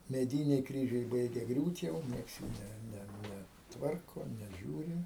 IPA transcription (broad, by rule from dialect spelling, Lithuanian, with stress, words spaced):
mʲɛˈdʲiːnʲɛɪ ˈkrʲiːʒʲɛɪ ˈbɐɪɡʲɛ ˈɡrʲuːt jɛʊ ˈnʲiɛks juː ˈnʲɛ ˈnʲɛ ˈnʲɛ ˈtʋɐrkoː nʲɛˈʒʲuːrʲɪ